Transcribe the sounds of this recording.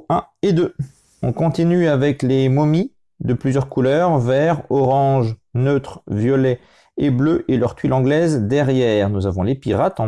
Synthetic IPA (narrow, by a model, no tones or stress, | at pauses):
ɛ̃ed̪ø | ɔ̃kɔ̃t̪inyavɛklemɔmi | d̪əplyzjœʁkulœʁvɛʁɔʁɑ̃ʒnøt̪χvjɔlɛ | ebløʔelœʁt̪ɥilɑ̃ɡlɛzd̪ɛʁjɛʁnuzavɔ̃lepiʁat̪ɑ̃